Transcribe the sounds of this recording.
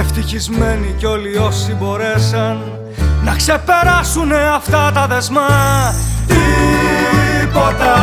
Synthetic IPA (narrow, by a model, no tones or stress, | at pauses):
eft̪içizme̞niceo̞lio̞sibo̞ɾe̞sɐnː | ɐkse̞pe̞ɾɐsune̞ɐft̪ɐt̪ɐðe̞zmɐ | t̪i | pot̪ɐ